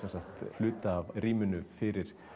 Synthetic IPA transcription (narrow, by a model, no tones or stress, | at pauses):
sɛnsaht̪flʏːt̪aːvriːmʏnʏfɪɾɪɾ̥